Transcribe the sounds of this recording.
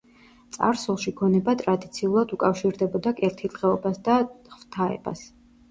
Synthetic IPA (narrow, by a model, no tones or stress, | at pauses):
t̪sʼa̰ɾsulˠʃiɡɔnɛbat̪ʼɾad̪it̪sʰiulˠad̪ukʼafʃiɾd̪ɛbɔd̪akʼɛɾt̪ʰilʁɛɔbasd̪aχvt̪ʰaɛ̰ba̰s